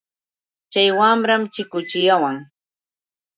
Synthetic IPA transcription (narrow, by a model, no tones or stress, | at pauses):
t͡ʃajwamɾamt͡ʃɪkʊt͡ʃɪjawaŋ